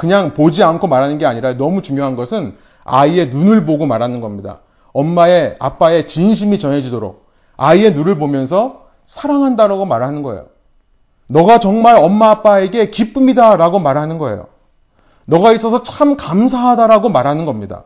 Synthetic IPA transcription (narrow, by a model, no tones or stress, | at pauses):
kɯɲaŋpod͡ʑiankʰomaɾɦanɯnɡeaɲiɾajonʌmut͡ɕuŋjoɦanɡʌsʰɯn | a̰ie̞nunɯɭboɡomaɾɦanɯnɡʌmɲida̰ | ʌmːae̞a̰p͈ae̞t͡ɕinɕ̬ʰimit͡ɕʌnɦe̞d͡ʑidoɾo̰k̚ | aie̞nuɾɯɭbomjʌns̬ʰʌ | sʰaɾaŋɦandaɾaɡomaɾɦanɯnɡʌe̞̰jo̰ | nʌɡat͡ɕʌŋmaɾʌmːaːp͈ae̞ɡe̞kip͈ɯmidaɾaɡomaɾɦanɯnɡʌḛjo̰ | nʌɡais͈ʌs̬ʰʌt͡ɕʰamkamsʰaɦadaɾaɡomaɾɦanɯnɡʌmɲida̰